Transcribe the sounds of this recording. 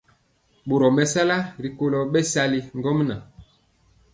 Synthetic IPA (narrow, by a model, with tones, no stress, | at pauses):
ɓo˨ɾɔ˨mɛ˨sa˦la˦ɾi˨ko˦lɔ˨ɓɛ˦sa˦li˦ŋ˦ɡɔ˦m˦na˨